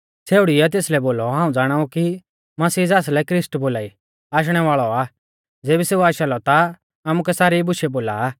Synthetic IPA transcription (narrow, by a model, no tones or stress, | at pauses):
seːʊɽiɛt̪̬eːslɛboːlɔɦãːũd͡zaːɽ̃aːuki | mɐsiːd͡zaːs̬lɛkɾɪsʈboːlaːi | aːʃ̬ɽ̃ɛʋaːɭɔaː | d͡zeːbiseːuaːʃalɔt̪a | aːmũkɛsaːɾibʊʃɛboːlaː